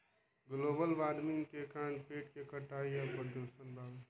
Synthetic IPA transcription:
ɡlobəlʋad̪miŋɡkekanpeʈkekəʈaijapəɾd̪osənbʱab

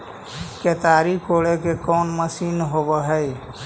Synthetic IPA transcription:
ket̪aɾikoɭekekɔːnməsinɦobəɦəj

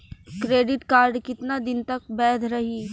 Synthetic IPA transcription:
kɾeːɖɪʈkaːɾɖkɪt̪nad̪ɪnt̪ɐk̚bɛːd̪ɾɐɦiː

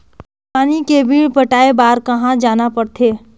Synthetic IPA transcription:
paːnikebʱipəʈaːebaːɾkɐɦãd͡ʒaːnapɐɽt̪ʰeː

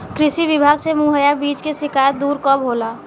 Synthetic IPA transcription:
kɾɪʃiʋɪbʱaːɡsemuɦəjabiːt͡ʃkeʃɪkaːjət̪̚d̪uːɾkɔːbʱoːlaː

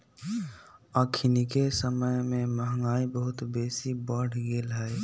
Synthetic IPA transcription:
aːkʰinikesəməjmẽməɦəŋɡaːibəɦʊt̪beːsibɔːɽɡeːlɦɛː

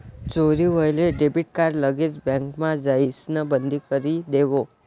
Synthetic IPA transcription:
t͡ʃoɾiʋəjleɖebiʈ̚kaɾləɡed͡ʒbə̃ŋkmãd͡ʒaisnəbənd̪ʱikəɾid̪eʋo

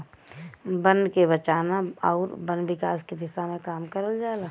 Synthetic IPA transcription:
bənkebɐt͡ʃaːnaɔːɾbənbɪkaːskid̪ɪsamẽkaːmkəɾəld͡ʒaːla

